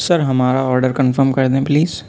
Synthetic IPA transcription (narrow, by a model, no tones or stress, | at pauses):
sɐɾɦɐmaːɾaɔːɾɖəɾkɐ̃nfəɾmkɐɾd̪ẽːpliːz̥